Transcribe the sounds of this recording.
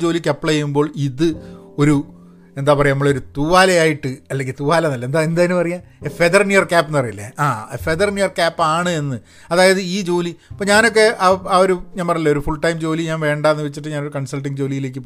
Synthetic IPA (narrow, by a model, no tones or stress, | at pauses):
d͡ʑo̞ːlikʲːɐpːɭɐjɐjumbo̞ːɭiðɨo̞ɾu | e̞nd̪aːpɐrɐjnɐmːɐɭo̞ɾut̪uʋaːlɐjaːjiʈːɨɐlːeŋɡilt̪uʋaːlɐnɐlːɐend̪aend̪aːjinɨmpɐrɐjafeðɐrnjujɐrkaːpːenːɨpɐrijilːḛaːfeðɐrnjujɐrkaːpːaːɳɨe̞nːɨ | ɐðaːjɐðɨiːd͡ʑo̞ːlipːoːɲaːno̞k̬ːe̞ʔaaːo̞ɾuɲaːnpɐrɐjɨlːɐoɾufuɭʈɐjmd͡ʑo̞ːliɲaːnʋe̞ːɳɖaːnːɨʋet͡ɕːiʈːɨɲaːnoɾukɐɳsɐlʈ̬ːiŋɡd͡ʑo̞ːlijile̞ːk̬ːɨp